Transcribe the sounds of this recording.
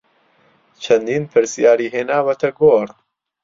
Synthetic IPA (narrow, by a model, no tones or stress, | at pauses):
t͡ʃʰɐnd̪iːnpʰɨɾsijaːɾiːɦeːnaːwɐt̪ʰɐɡoːɾ